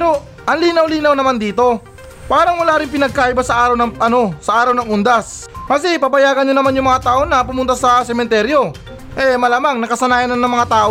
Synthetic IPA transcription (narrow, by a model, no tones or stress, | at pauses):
pɛɾo̞ | ʔɐŋliːnɐwliːnɐwnɐmand̪iːt̪o̞ | paːɾɐŋwɐlaːɾɪŋpɪnɐɡ̚kaːʔɪbasɐʔaːɾɐwnɐŋʔɐno̞sɐʔaːɾɐwnɐŋʔʊnd̪asmɐs̬ipabɐjaːɡɐɲɲonɐmanjʊŋmɐŋat̪aːʔonɐpʊmʊnt̪asɐsɛmɛnt̪ɛɾjo̞ | ʔɛmɐlaːmaŋnɐkɐsɐnaːjɐnɐŋnɐŋmɐŋat̪aːʔo